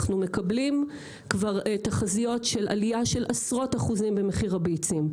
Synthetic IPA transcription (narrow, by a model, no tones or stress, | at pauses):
χnume̞kablim | kvaʁetaχazijo̞tʃe̞la̰lijaʃe̞lʔasʁo̞taχuzimbe̞meχiʁabeit͡sim